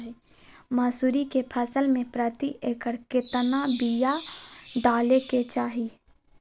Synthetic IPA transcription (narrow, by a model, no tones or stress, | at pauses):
ɦɛ | maːsuːɾikepʰəsəlmẽpɾət̪iʔeːkəɾkɪt̪nabijaɖaːleket͡ʃaːɦi